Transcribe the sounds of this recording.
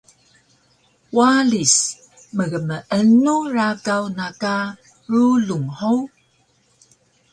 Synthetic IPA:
walis | məɣəməʔənuɾakawnaka | ɾuluŋhow

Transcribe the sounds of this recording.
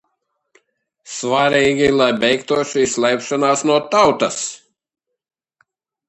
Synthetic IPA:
svaɾʲiːɡʲilˠajbʲɛjkt̪uɔʃisʲlʲˠɛjpʃanaːsnuɔt̪awt̪ɐs

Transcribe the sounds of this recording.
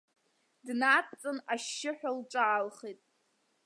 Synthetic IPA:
dnat͡sʼɨnaʃːɪħᶣalʈ͡ʂʼaːlχejtʼ

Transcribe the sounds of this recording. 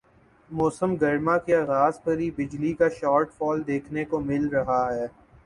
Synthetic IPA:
mɔːsəmɡɐɾmãkeaːɣaːzpɐɾibɪd͡ʒlikaʃaːɾʈfɔːld̪eːkʰnekomɪlɾɐɦaɦɛː

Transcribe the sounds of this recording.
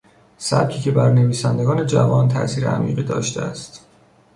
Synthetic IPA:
sæ̰b̚cʰiːcʰe̞bæɾne̞viːsænd̪e̞ɡɒːne̞d͡ʒævɒːnt̪ʰæ̰ʔsiːɾḛʔæ̰mḭːɢiːd̪ɒ̰ːʃt̪eæst̪

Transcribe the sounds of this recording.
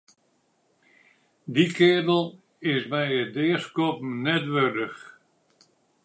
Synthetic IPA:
dikʰɪədəlˠ | ɪsmɛjədɪskopmnɛtʋørdəx

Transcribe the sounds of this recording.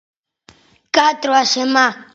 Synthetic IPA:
kʼatʼrwaʃɛma

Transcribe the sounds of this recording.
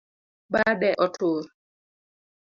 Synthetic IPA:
ɓaɗɛʔɔtʰoːɾ

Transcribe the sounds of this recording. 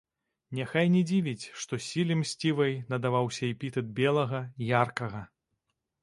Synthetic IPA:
nʲɛxajnʲɛd͡zʲivʲit͡sʲʂt̪ɔsʲilʲimsʲt͡sʲivɐjnɐd̪avawsʲɐɛpʲit̪ɛd̪̚bʲɛlˠɐɣɐjarkɐɣɐ

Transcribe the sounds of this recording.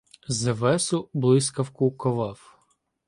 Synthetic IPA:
zɐʋɛsʊblˠɪsʲkɐwkʊkɔʋɑw

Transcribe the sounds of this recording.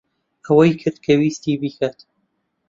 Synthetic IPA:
ɐwɐjkʰɨɾd̪̚kʰɐwiːst̪iːbiːkʰat̪

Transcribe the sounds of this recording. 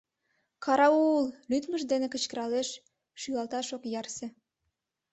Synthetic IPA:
kʰɑɾɑullyt̪məʃd̪enekə̆t͡ɕkə̆ɾɑleʃ | ʃyɣɑlt̪ɑʃokjɑrsĕ

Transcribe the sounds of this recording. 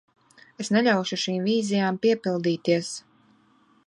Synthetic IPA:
esneʎʲawʃuʃiːmviːzijaːmpiɛpilˠd̪iːt̪iɛs

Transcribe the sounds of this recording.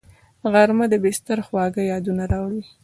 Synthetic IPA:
ɣaɾmad̪əbɪst̪aɾxwɑɡəjɑd̪unaɾɑwɽi

